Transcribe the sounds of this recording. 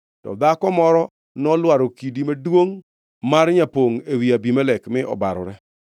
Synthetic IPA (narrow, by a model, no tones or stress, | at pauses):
tɔ̰d̪akɔmɔɾɔ | nɔlwaɾokidimadwoŋ | marɲapoŋewiabimalɛkmɪʔɔ̰baɾɔ̰ɾɛ